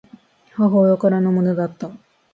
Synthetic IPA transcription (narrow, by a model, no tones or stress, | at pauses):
hɔɦojokɔɾanomoned̪at̪ːɔ